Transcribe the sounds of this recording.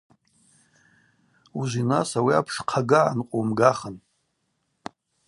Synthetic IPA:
uʒʷinasawia̰pʰʂqʰaɡaʕanqʷʼomɡaχən

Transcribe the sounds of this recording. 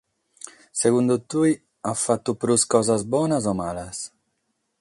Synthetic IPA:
seɡund̪ut̪uj | afat̪ːupɾuskɔːzazbɔːnazɔmaːlas

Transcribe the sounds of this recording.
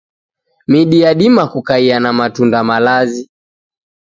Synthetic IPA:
miɗiaɗimakukaianamatundamalazi

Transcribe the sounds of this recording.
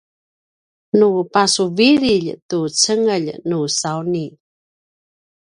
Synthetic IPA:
nupasuviɾiʎtut͡səŋəʎnusawni

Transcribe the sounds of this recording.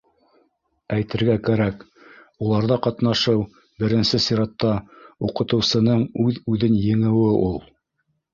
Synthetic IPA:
æjt̪ɘ̆ɾɡækæɾæk | ulˠɑɾðɑqɑt̪nɑʃɤw | bɘ̆ɾɘ̆nsɘsiɾɑt̪ːɑuqɤ̆t̪ɤ̆wsɤ̆nɤɴʉðʉðɘnjɘ̆ŋɘ̆wɘʔulˠ

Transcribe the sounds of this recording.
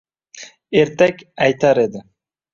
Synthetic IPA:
eɾt̪ɛkʲɑjt̪ɑɾed̪ɪ

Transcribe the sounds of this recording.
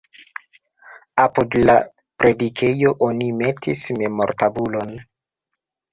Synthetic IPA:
apudla̰ | pɾe̞dikʰe̞jo̞ʔo̞nime̞tʰisme̞mo̞ɾtabulo̞n

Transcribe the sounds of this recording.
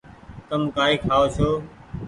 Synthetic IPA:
t̪əmkaːiːkʰaːoːsʰoː

